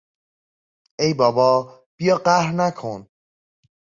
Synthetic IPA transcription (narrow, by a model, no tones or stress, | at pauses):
ejbɒːbɒː | b̥ijɒːɢæhɾnækʰon